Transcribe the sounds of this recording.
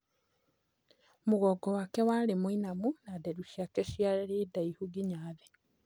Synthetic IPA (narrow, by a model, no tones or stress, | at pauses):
moɣɔːɡɔwakɛwaːɾemoinamunadɛɾuʃjakɛʃjaɾɛɾeːdaihuɡiɲaːðɛ